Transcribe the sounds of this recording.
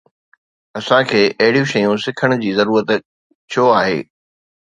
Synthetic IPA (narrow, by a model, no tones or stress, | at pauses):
ɐsãkʰeːʔɐɦɪɽijũʃɐjũsɪkʰəɽ̃d͡ʑiːzɐɾuːɾət̪ | t͡ɕʰoaːɦḛː